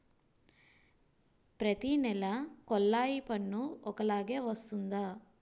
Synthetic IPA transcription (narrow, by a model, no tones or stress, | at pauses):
pɾɐt̪inɛlɐkɔlːaːjipɐnːuɔkɐlaːɡe̞ːʋɐst̪und̪aː